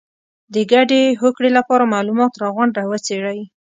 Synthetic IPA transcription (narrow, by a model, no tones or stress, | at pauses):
d̪əɡaɖeɦokɽelapɑɾamɑlumɑt̪ɾɑɣaɳɖawət͡seɽaj